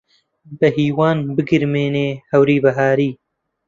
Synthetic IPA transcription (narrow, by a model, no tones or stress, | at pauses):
bɐɦiːwaːnbɨɡɨɾmeːneːhɐwɾiːbɐɦaːɾiː